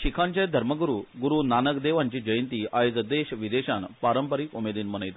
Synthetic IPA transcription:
ɕikʰaɲt͡ɕajd̪ʱəɾməɡuɾuːɡuɾuːnanəkd̪eʋaɲt͡ɕiːd͡ʑəjənt̪iːʔajod͡zəd̪eɕʋid̪eɕanpaɾəmpəɾiːkumed̪iːnmənəjt̪

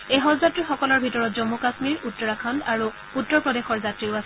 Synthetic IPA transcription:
eɦɔzatɹixɔkɔlɔɹbʱitɔɹɔtzɔmːukasmiɹutːɔɹakʰandaɹu | utːɔɹpɹɔdexɔɹzatɹiʊasɛ

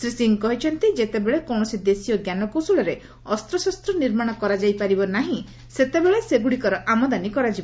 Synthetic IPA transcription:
sɾisiŋkɔɦit͡ʃʰɔnt̪id͡ʒet̪ebeɭekɔwɳ̃ɔsid̪esijɔɡjanɔkosuɭɔɾe | ɔst̪ɾɔsɔst̪ɾɔniɾmaɽ̃ɔkɔɾad͡ʒajpaɾibɔnaɦĩ | set̪ebeɭeseɡuɽikɔɾɔʔamɔd̪anikɔɾad͡ʒibɔ

